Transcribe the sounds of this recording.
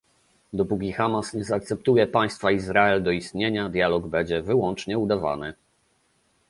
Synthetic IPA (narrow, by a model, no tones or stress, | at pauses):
d̪ɔpuk̬ʲixamasɲɛzaːkt̪sɛpt̪ujɛpaj̃st̪faizɾaɛld̪ɔist̪ɲeɲad̪ʲjalɔɡbɛɲd͡ʑɛvɘwɔnt͡ʂɲɛud̪ava̰nɘ